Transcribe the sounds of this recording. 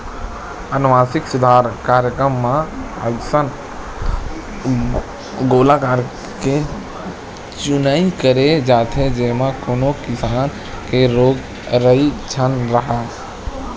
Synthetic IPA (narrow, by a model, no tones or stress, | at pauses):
ənʋaːsɪksʊd̪ʱaːɾkaːɾjəkɾəmːã | ə̰sən | ɡoːlakaːɾ | ke | t͡ʃʊnaːikəɾed͡ʒaːt̪ʰed͡ʒemãkoːnokɪsaːn | keɾoːɡ | ɾəit͡ʃʰənɾəɦaː